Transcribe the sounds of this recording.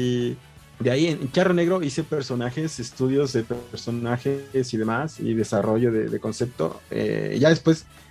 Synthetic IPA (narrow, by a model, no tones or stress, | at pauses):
d̪eaienŋt͡ʃarone̞ɣɾo̞ise̞peɾso̞naxe̞sest̪uðjo̞zðe̞peɾso̞naxesiðe̞masḭðe̞saro̞ʝo̞ðe̞̰ðe̞ko̞nse̞p̚t̪o̰ḛʝaðe̞spwe̞s